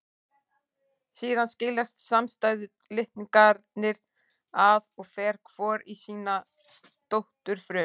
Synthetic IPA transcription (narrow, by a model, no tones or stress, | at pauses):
siːðanscɪlast̪samst̪aːjðʏ | lɪht̪niŋkaɾt̪nɪɾ | aðɔɣfɛːɾ̥kʰv̥ɔːɾisiːna | t̪owht̪ʏɾ̥fɾʏː